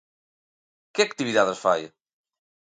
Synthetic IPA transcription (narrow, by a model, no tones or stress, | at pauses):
kɪak̚t̪iβiðaðɐsfa̰jɐ̰